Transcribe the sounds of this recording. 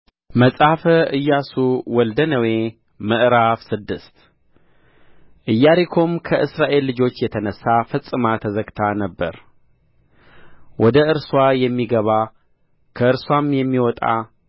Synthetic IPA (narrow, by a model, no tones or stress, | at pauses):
məsʼfəʔɨjːasuwɔld̪ənəwe | məʔɾafsɨd̪ːɨst̪ | ʔɨjːaɾikʰo̞mkʰəʔɨsɾaʔe̞lːɨd͡ʒo̞t͡ʃːjɛt̪ʰənəsːafəsʼɨmat̪ʰəzəɡt̪ʰanəbːə̰ɾ | wɔd̪əʔɨɾswajɛmːiɡəβa | kʰəɨɾswamjɛmːiwɔt̪ʼa̰